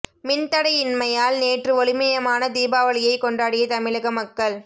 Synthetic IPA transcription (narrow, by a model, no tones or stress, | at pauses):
mɪnt̪ɐɽɐɪɪnmɐjaːlneːʈrɯɔɭɪmɐjɐmaːnɐd̪iːbaːʋɐɭɪjɐɪkːɔɳɖaːɽɪjɐt̪ɐmɪɭɐɣɐmɐkːɐɭ